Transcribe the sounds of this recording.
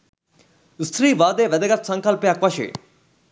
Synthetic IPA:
st̪ʰɾiːʋaːd̪eːʋɛd̪əɡət̪sɐ̃ŋkɐlpjaːkʋɐʃḛ

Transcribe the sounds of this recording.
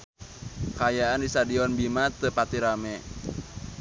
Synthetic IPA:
kajaandisadiɔnbimat̪əpat̪iɾamɛ

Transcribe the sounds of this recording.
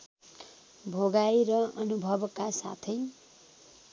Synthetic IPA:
bʱoɡajɾʌʌnubʱʌbkasa̰t̪ʰʌj

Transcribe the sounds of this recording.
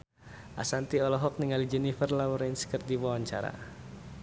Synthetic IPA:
ʔa̰sant̪iɔlɔɦɔk̚niŋalid͡ʒɛnifərlawɔɾansə̥kərdiwawaɲt͡ʃaɾa̰

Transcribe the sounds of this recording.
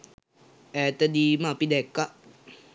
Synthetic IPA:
ɛt̪əd̪imapid̪ɛkːaʔ

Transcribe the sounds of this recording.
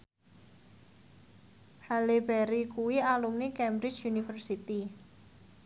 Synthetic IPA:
halibɛɾikuwialumnikɛmbɾɪ̥t͡ʃunifərsit̪i

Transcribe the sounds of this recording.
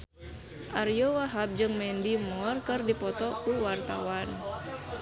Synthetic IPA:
ʔarjɔwaɦap̚d͡ʒɨŋmɛndimɔrkɨrdipɔt̪ɔkuwart̪a̰wan

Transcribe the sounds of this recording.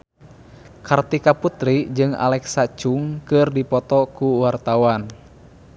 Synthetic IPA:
kart̪ikaput̪ɾid͡ʒɨŋa̰lɛksat͡ʃuŋkɨrdipɔt̪ɔkuwart̪awan

